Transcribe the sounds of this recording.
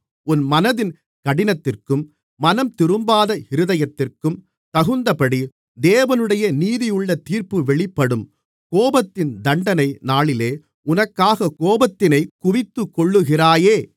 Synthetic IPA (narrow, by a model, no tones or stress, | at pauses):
ʊnmɐnɐðɪn | kɐɽɪnɐt̪ːɪrkɯmː | ɐnɐmt̪ɪɾɯmbaːðɐɪɾɯðɐjɐt̪ːɪrkɯm | t̪ɐɣɯnd̪ɐpɐɽi | d̪eːʋɐnɯɽɐjɐniːðɪjɯɭːɐt̪iːrpɯʋɛɭɪpːɐɽɯm | koːbɐt̪ːɪnd̪ɐɳɖɐnɐɪnaːɭɪleː | ʊnɐkːaːɣɐkoːbɐt̪ːɪnɐɪkʊʋɪt̪ːɯkːɔɭːɯɣɪraːjeː